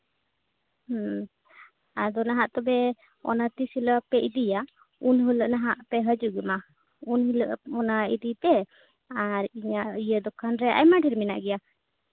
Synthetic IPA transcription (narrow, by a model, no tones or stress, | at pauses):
h | ad̪ɔnaɦaʔt̪ɔbɛ | ɔ̰nat̪isiləpɛʔid̪ija | unɦuləʔnaɦaʔpɛɦəd͡ʒuɡima | unhiləʔɔnaḭd̪ipɛ | aɾiɲaijəd̪ɔkʰanɾɛʔa̰jmaɖiɾmɛna̰ʔɡɛja